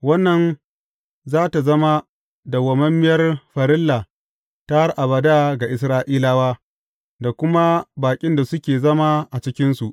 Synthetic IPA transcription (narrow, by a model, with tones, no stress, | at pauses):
wɐ˦nːɐ˨n | zaː˦ta˨zɐ˦ma˦ | da˨wɐ˨mɐ˦mːɪ˦jɐ˦rɸɐ˨ɾɪ˦lːa˨ | ta˦rʔa˨bɐ˨da˦ɡa˨ʔɪ˨s̬ɾaː˦ʔiː˦laː˦waː˦ | da˨kʷʊ˦ma˦baː˨kʲʼɪ˦nda˨sʊ˦kʲeː˨zɐ˦ma˦ʔa˨t͡ʃɪ˦kʲɪ˦nsu˨ʔ